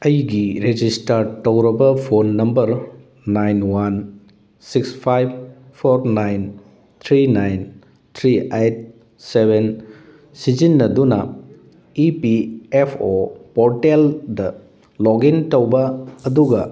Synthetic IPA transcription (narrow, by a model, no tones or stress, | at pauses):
ɐjɡiɾed͡ʒistɐɾtɐwɾɐbɐpʰonːɐmbɐɾ | najnwan | sikspʰajb̚pʰːoɾnajn | t̪ʰɾinajn | t̪ʰɾiejt̚ | seben | sid͡ʒinːɐdunɐ | ipiepʰopɔɾteldɐ | lɔɡintɐwbɐːduɡɐ